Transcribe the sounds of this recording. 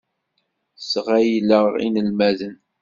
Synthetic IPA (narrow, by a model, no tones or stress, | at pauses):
sʁæjləʁḭnəlmæðən